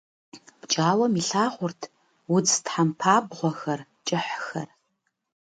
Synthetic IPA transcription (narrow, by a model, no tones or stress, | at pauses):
b̥t͡ʃʼaːwɐmiɬaːʁʷʊrtʰ | wʊd͡ztħampʰaːbʁʷɔxɐr | t͡ʃʼɪħxɐ̰r